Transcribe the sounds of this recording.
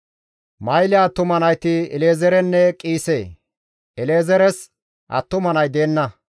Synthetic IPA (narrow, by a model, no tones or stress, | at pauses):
mɐjlɪat̪ːʊmɐnɐjt̪ɪɛle̞ːzɛɾɛnːɛkʼiːseː | ɛleːzɛɾɛs | ʔɐ̰t̪ːʊmɐnɐjd̪eːnːɐ